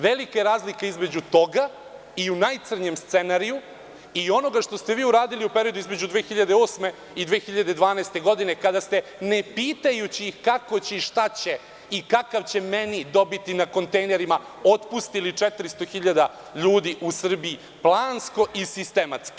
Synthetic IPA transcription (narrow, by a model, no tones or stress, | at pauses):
ʋe̞likaeɾaːzlikeizme̞d͡ʑut̪o̞ɡa | iunajt̪sr̩ɲemst̪senaɾiju | io̞no̞ɡaʃt̪o̞st̪e̞ʋiːuɾaːd̪iliupe̞ɾiod̪uizme̞d͡ʑud̪ʋeːxiʎad̪eo̞ːsme̞ | id̪ʋeːxiʎad̪ed̪ʋaːnaːst̪e̞ɡo̞d̪ine̞kad̪ast̪e̞nepiːt̪ajut͡ɕikako̞t͡ɕiʃt̪at͡ɕe̞ | ikakaʋt͡ɕe̞menid̪o̞bit̪inako̞nt̪ejne̞ɾima | ot̪pust̪ilit͡ʂɛt̪ɾist̪oxiʎad̪a | ʎuːd̪iʔusr̩biː | plˠaːnsko̞ʔisist̪e̞mat̪ski̥